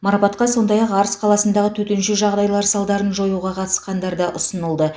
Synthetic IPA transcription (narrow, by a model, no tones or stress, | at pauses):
mɑɾɑpɑt̪qɑso̞nd̪ɑjɑqɑɾəsqʰɑlˠɑsənd̪ɑʁət̪ʰɵt̪ɪnʃɪʒɑʁd̪ɑjlˠɑɾsɑlˠd̪ɑɾənʒo̞juʁɑqʰɑt̪əsqɑnd̪ɑɾd̪əʔʊsənəlˠd̪ə